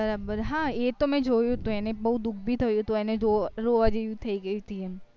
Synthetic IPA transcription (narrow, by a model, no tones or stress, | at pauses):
bɐɾaːbəɾɦãːjet̪omɛ̃d͡ʒʱoːjot̪oɛːnẽbɐɦut̪̚d̪ʊk̚ʰbʱit̪ʰɐjot̪oɛnẽd͡ʒoɾoːad͡ʒejut̪ʰɐiɡɐit̪ʰiɦɛ